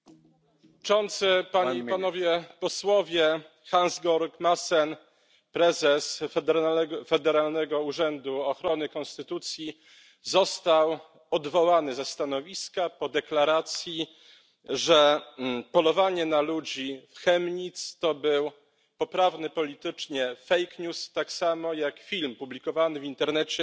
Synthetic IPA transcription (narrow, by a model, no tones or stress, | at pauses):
t͡ʂɔnt̪sɘpaɲepanɔvʲjɛpɔswɔvʲjɛ | xanzɡɔɾkmasɛn | pɾɛzɛs | fɛd̪ɛɾalnɛɡɔuʐɛnd̪uɔxɾɔnɘkɔ̃nst̪ɘt̪ut̪sʲji | zɔst̪aw | ɔd̪vɔwanɘzast̪anɔvʲiskapɔd̪ɛklaɾat̪sʲji | ʐɛpɔlɔvaɲɛnalud͡ʑifxɛmɲit̪st̪ɔbɘw | pɔpɾavnɘpɔlʲit̪ɘt͡ʂɲɛfɛjkɲust̪aksamɔjakfʲilmpublʲikɔvanɘvint̪ɛɾnɛt͡ɕɛ